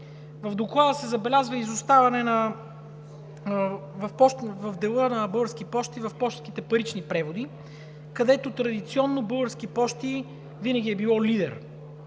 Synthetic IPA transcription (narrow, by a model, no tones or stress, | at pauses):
vɐvd̪oklˠad̪əsɛzɐbɛlʲazvəizost̪avɐnɛnɐ | vɐfpɔʃt̪vɐvd̪ɛlˠɤnɐbɤɡəɾsk̟ipɔʃt̪ivɐfpɔʃt̪skʲit̪ɛpɐɾit͡ʃnipɾɛvod̪i | kɐd̪ɛt̪ot̪ɾɐd̪it̪siɔnːobɤɡəɾskipɔʃt̪i | vinɐɡ̟ʲiɛbilˠɔlid̪ɛ̰ɾ